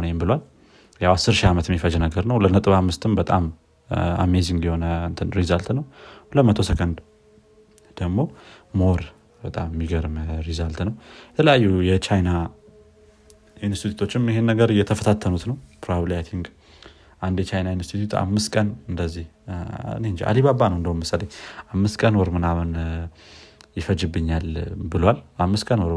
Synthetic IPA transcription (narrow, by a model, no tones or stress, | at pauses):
njɛmbɨlwal | jawasːɨɾʃiamət̪mːifəd͡ʒɛnəɡəɾnəwlənət̪ʼɨβamːɨst̪ʰɨmbət̪ʼam | a̰meziŋɡliho̞nənt̪ʰɨnɾizalt̪nəwləmət̪ʰo̞səkʼənd̪ | d̪̥əɡmo̞moɾ | bət̪ʼammːiɡəɾmɾizalt̪nəwjɛt̪ʰələjajːujɛt͡ʃʰajna | jɪnst̪it̪ʰut̪ʰo̞t͡ʃːɪmjɪɦenːəɡəɾjɛt̪ʰəfət̪ʰat̪ʰːənut̪nəwpʰɾaβlat̪ʰiŋɡ | ʔand̪jɛt͡ʃʰajnajɪnst̪ʰit̪ʰut̪a̰mːɨst̪kʼənɨnd̪əzːih | nend͡ʒiʔa̰liβabanəwɨnd̪əwumməsːaləɲːʔamːɨst̪kʼənwɔɾmɨnaβən | jɪfəd͡ʒɪbːɨɲːalbɨlwalamːɨst̪kʼənwɔɾ